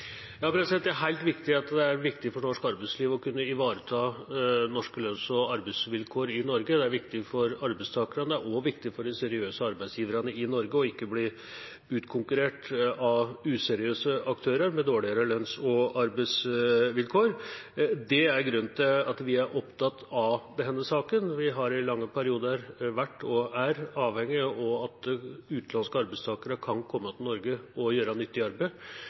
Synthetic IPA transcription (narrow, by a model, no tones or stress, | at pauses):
jɑɑpɾɛsɛt̪d̪ɛæɾɦæɪlt̪ʋɪkt̪ɪɑt̪d̪ɛæɾʋɪkt̪ɪfɔɳɔʂkɑɾbæɪsliːʋɔkʰʉnːəɪʋɑːɾət̪ʰɑːnɔʂkəlœnsɔɑɾbæɪsʋɪlkʰoːɾɪnɔɾɡəd̪ɛæɾʋɪkt̪ɪfɔɾɑɾbæɪst̪ʰɑːkəɾənd̪əɛæʔɔʋɪkt̪ɪfɔɖɪsɛɾɪøːsəɑɾbæɪsjiːʋəɾɑnəɪnɔɾɡəɔɪkːəbli | ʉːt̪kʰʊŋkʉɾeːʈɑʉːsɛɾɪøːsəʔɑk̚t̪ʰøːɾəɾmɛd̪oːɭɪəɾəlœnsɔɑɾbæɪsʋɪlkʰoːɾd̪ɛæɾɡɾʉnt̪ʰɪlɑt̪ʋɪæɾʔɔpt̪ʰɑt̪ːɑd̪ɛɦɛnːəsɑːkənʋɪɦɑɾɪlɑŋːəpʰæɾɪuːd̪əɾʋæʈːɔæɾɑːʋhɛŋːɪɔɑt̪ʉːt̪lɑnskəɑɾbæɪst̪ʰɑːkəɾəkʰɑnkʰɔmːət̪ʰɪlnɔɾɡəɔjøːɾɑnʏt̪ːɪɑɾbə